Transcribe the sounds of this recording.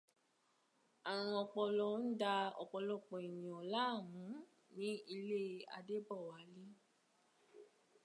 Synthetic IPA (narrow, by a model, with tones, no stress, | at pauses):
a˨ɾ̃ɔ̃˧ɔ˧k͡pɔ˧lɔ˧˦n̩˦da˧ɔ˧k͡pɔ˧lɔ˧˨k͡pɔ̃˨e˨nĩ˨ɔ̃˨la˦˨w̃ũ˨˦ | nĩ˦i˧le˦a̰˧de˦bɔ˦˨wa˨˦le˦